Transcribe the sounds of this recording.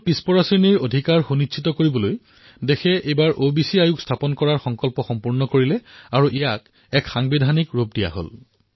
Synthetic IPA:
pispɔɹasiniɹodʱikaɹxunit͡ʃʰitɔkoɹibɔloj | dexʰɛejbaɹʔobisiajukstʰapɔnkɔɹaɹxɔŋkɔlpɔxɔmpuɹnɔkoɹilɛaɹuʔijak | ɛkxaŋbidʱanikɹop̚dija̰ɦo̰l

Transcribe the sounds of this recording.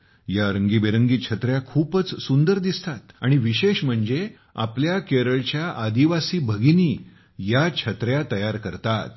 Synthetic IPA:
jaɾəŋɡiːbeɾəŋɡiːt͡ɕʰət̪ɾjakʰuːpət͡ssund̪əɾd̪ist̪at̪aɽ̃iʋiɕeɕm̤əɳd͡ze | a̰pljakeɾəɭt͡ɕjaʔad̪iʋasiːbʱəɡiniː | jat͡ɕʰət̪ɾjat̪əjaɾkəɾt̪at̪̚

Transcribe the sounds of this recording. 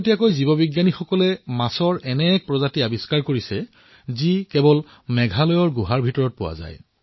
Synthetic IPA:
etijakojzibɔbiɡjanixɔkɔlɛmasɔɹɛnɛk̚pɹɔzatiabiskaɹkoɹisɛ | zikɛbɔl | mɛɡʱalɔjɔɹɡuɦaɹbʱitɔɹɔt̚pʊwa̰za̰j

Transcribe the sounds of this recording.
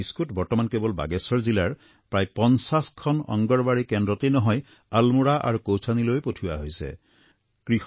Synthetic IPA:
iskutbɔɹtɔmankebɔlba̰ɡesɔɹzilaɹ | pɹajpɔnsaskʰɔnɔ̰ŋɡɔɹbaɹikendɾɔt̪ejnɔɦɔj | almuɹaʔa̰ɹukowt͡ʃʰanilojpotʰiba̰ɦojsḛ | kɹix

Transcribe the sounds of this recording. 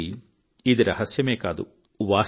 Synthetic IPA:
i | id̪iɾɐɦɐsjɐmeːkaːd̪ṵ | ʋaː

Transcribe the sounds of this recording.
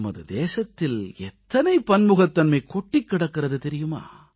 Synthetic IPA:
mɐðɯd̪eːsɐt̪ːɪlɛt̪ːɐnɐɪpɐnmʊɣɐt̪ːɐnmɐɪkɔʈːɪkːɪɽɐkːɪrɐðɯt̪ɛɾɪjɯma̰ː

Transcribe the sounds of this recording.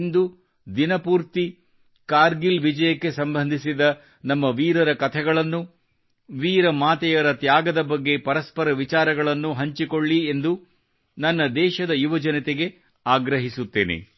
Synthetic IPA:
nd̪u | d̪inɐpuːɾt̪i | kaːɾɡilʋid͡ʒɐjɐkːe̞sɐmbɐnd̪ʱisid̪ɐ | nɐmːɐʋiːɾɐɾɐkɐt̪ʰɛɡɐɭɐnːu | ʋiːɾɐmaːt̪ɛjɐɾɐt̪jaːɡɐd̪ɐbɐɡːe̞pɐɾɐspɐɾɐʋit͡ʃaːɾɐɡɐɭɐnːuɦɐɲt͡ʃikoɭːiend̪u | nɐnːɐd̪ɛːʃɐd̪ɐjuʋɐd͡ʒɐnɐt̪eɡe̞ | aːɡɾɐɦisut̪ːe̞̰ːnḛ

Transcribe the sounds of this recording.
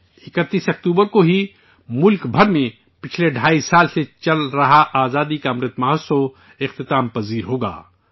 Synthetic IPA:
ɪkət̪ːiːsɐk̚t̪uːbəɾkoɦi | mʊlkbʱɐɾmẽ | pɪt͡ʃʰleɖʱaːisaːlset͡ʃɐlɾɐɦaʔaːzaːd̪ikamɾɪt̪mɐɦəso | ɪqt̪ɪt̪aːmpɐziːɾɦoːɡa̰ː

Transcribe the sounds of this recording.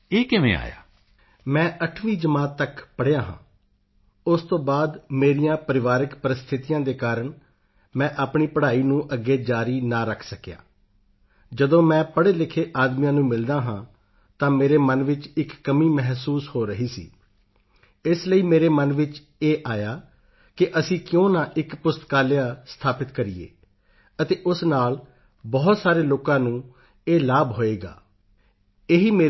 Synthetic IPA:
eːkɪʋḛ̃ːa̰ːja̰ː | mɛ̃ːʔəʈʰʋiːd͡ʒəmaːt̪ːəkpəɽejaːɦã̰ː | ʊst̪õːbaːd̪meːɾijãːpəɾɪʋaːɾɪkpəɾɪst̪ʰɪt̪ijãːd̪eːkaːɾəɳ | mɛ̃ːʔaːpɳiːpəɽaːiːnũːʔəɡːeːd͡ʒaːɾiːnãːɾəkʰsəkja̰ː | d͡ʒəd̪õːmɛ̃ːpəɽeːlɪkʰeːʔaːd̪mijãːnũːmɪld̪aːɦãː | t̪ãːmeːɾeːmənʋɪt͡ʃɪkːəmiːmɛɦsuːsɦoːɾəɦiːsḭː | ɪsləiːmeːɾeːmənʋɪt͡ʃ | eːʔaːjaː | kɪʔəsĩːkjõːnaːʔɪkpʊst̪kaːlɪjaːst̪ʰaːpɪt̪kəɾiḛː | ət̪eːʔʊsnaːl | bɔːt̪saːɾeːloːkãːnũː | eːlaːbɦoːeːɡa̰ː | eɦiːmeː

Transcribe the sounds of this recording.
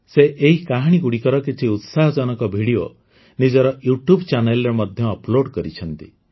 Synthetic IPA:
seʔeɦikaɦaɽ̃iɡuɽikɔɾɔkit͡ʃʰiut̪saɦɔd͡ʒɔnɔkɔbʱiɽio | nid͡ʒɔɾɔjuʈjubt͡ʃanelɔɾemɔd̪ʱjɔːploɖkɔɾit͡ʃʰɔnt̪i

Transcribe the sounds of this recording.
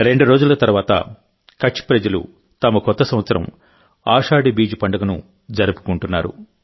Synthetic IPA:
ɾe̞ɳɖuɾoːd͡ʒulɐt̪ɐɾʋaːt̪ɐ̰ | kɐʈt͡ʃi̥pɾɐd͡ʒɐlṵ | t̪ɐmɐkɔt̪ːɐsɐmʋɐt̪sɐɾɐ̰m | aːʂaːɽibiːd͡ʒipɐɳɖɐɡɐnṵ | d͡ʒɐɾupu̥kuɳʈunːa̰ːɾṵ

